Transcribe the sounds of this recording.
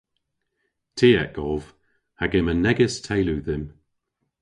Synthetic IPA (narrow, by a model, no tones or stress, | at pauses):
tʰiːɛkɔv̥ | haɡɪmənɛɡɪstʰejluːðɪm